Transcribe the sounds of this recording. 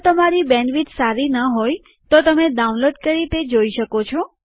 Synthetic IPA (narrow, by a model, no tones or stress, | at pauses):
t̪əmaɾibɛ̃nʋit̪saɾinəɦoj | t̪ot̪əmed̪aunloɖkəɾit̪ed͡ʒoiʃəkot͡ʃʰɔ